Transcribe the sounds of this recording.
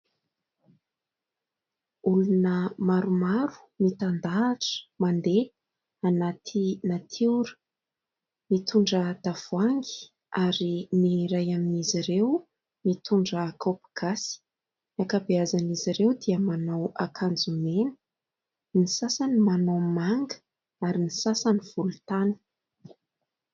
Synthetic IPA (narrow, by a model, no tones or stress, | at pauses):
ulunəmaɾumaɾu̥ | mit̪and̪aʈ͡ʂə̥mand̪e | anat̪ʰinat̪ʰiuɾə̥ | mit̪ʰuɳɖ͡ʐəd̪̥av̥uaŋɡi̥ | aɾiniɾajaminiziɾew | mit̪ʰuɳɖ͡ʐəːkʰopɡ̥asi̥ | akabeazaniziɾewd̪iəmanawakʰand͡zumenə̥ | nisasanimanawmaŋɡə̥ | aɾinisasaniv̥ulut̪anə̥